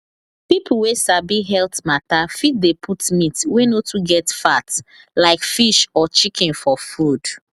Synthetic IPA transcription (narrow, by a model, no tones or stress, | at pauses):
pipʰl̩wesabiɦɛltmatafit̚depʰutmitwenotuɡɛtfat | laɪkfiʃɔt͡ʃikʰɛ̃nfɔfud̥